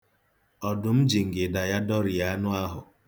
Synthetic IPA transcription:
ɔ˨dʊ˨m̩˦d͡ʒi˨ŋ̩˨ɡɪ˨da˨ja˦dɔ˦ɾɪ˨ja˦nʊ˦a˦ɦʊ˨

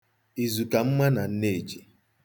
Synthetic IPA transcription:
i˨zu˨ka˨m̩˦ma˦na˨n̩˦ne˦˨d͡ʒi˨

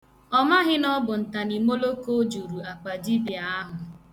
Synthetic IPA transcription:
ɔ˦ma˦ɦɪ˦nɔ˦bʊ˨n̩˨ta˨ni˨mo˦lo˦ko˦d͡ʒu˨ɾu˨a˨k͡pa˨d͡ʒi˦bi˨a˨a˦ɦʊ˨

